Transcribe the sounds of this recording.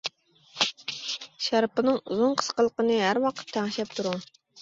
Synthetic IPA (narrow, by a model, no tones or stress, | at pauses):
ʃæɾpənɨŋuzunqʰə̥sqəlˠəqənɨɦæɾwɑqʰət̪ʰːæŋʃɛp̚t̪ʰuɾu